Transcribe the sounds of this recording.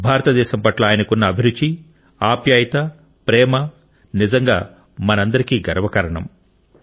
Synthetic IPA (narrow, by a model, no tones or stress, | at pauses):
bʱaːɾɐt̪ɐd̪ɛːʃɐmpɐʈlɐaːjɐnɐkunːɐːbʱiɾud̪d͡ʒːi | aːpjaːjɐt̪ɐ | pɾɛːmɐ | nizɐŋɡa̰ː | mɐnɐnd̪ɐɾikiːɡɐɾɐʋɐkɐɾɐɳɐ̰m